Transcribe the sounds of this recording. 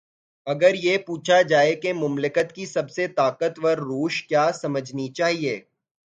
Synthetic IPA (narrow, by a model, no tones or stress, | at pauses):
ɐɡəɾjepuːt͡ʃʰad͡ʒaːekemʊmlɪkət̪kisɐbset̪aːqət̪ʋɐɾːuːʃkjaːsɐməd͡ʒʱnit͡ʃaːɦieː